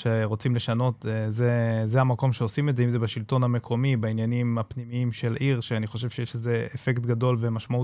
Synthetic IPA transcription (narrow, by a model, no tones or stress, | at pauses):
ʃeʁo̞t͡simleʃano̞tezezeamako̞mʃeo̞simedzeimzebaʃilto̞nhame̞kʰo̞mibainjanimapnimiimʃe̞lʔiʁʃeaniχo̞ʃ̬e̞v̥ʃejeʃze̞efektɡado̞lve̞maʃmau